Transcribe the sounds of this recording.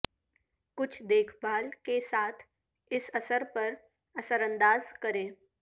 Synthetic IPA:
kʊt͡ʃʰd̪eːkʰbaːlkesaːt̪ʰ | ɪsɐsəɾpɐɾ | ɐsəɾə̃nd̪aːzkəɾẽː

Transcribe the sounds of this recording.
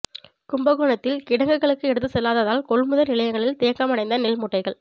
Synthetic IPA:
kʊmbɐɣoːɳɐt̪ːɪlkɪɽɐŋɡɯɣɐɭɯkːɯɛɽɯt̪ːɯsɛlːaːðɐðaːlkɔɭmʊðɐnɪlɐjɐŋɡɐɭɪlt̪ɪjɐkːɐmɐɽɐɪnd̪ɐnɪlmʊʈːɐɪɣɐɭ

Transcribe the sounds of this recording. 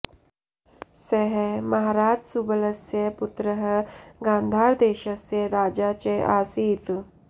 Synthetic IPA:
seɦemɐɦaɾaːd͡ʒsubələsjəput̪ɾəɦəɡãːnd̪ʱaːɾd̪eːʃəsjeɾaːd͡ʒat͡ɕeʔaːsiːt̪

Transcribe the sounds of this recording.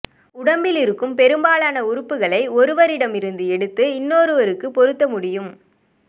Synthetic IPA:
ʊɽɐmbɪlɪɾɯkːɯmpɛɾɯmbaːɭaːnɐʊɾʊpːɯɣɐɭɐɪɔɾɯʋɐɾɪɽɐmɪɾɯnd̪ɯɛɽɯt̪ːɯɪnːoːɾɯʋɐɾɯkːɯpɔɾɯt̪ːɐmʊɽɪjɯm

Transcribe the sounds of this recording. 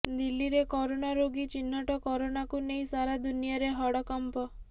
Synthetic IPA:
d̪ilːiɾekɔɾonaɾoɡit͡ʃinːɔʈɔkɔɾonakuneĩsaɾad̪unijɔɾeɦɔɽɔkɔmpɔ

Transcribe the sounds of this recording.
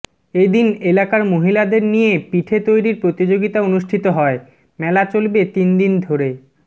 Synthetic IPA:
ed̪inelakaɾmoɦilad̪eɾnijepiʈʰet̪ojɾiɾpɾot̪id͡ʑoɡit̪aonuʃʈʰit̪oɦɔe | mɛlat͡ɕolbet̪ind̪ind̪ʱoɾe

